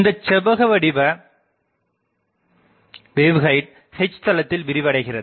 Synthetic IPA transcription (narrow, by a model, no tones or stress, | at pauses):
nd̪ɐt͡ʃːɛbɐɣɐʋɐɽɪbɐ | beːʋɣɐɪʈ̚ | hɛɪt͡ʃːt̪ɐlɐt̪ːɪlʋɪɾɪʋɐɽɐɪɣɪrɐð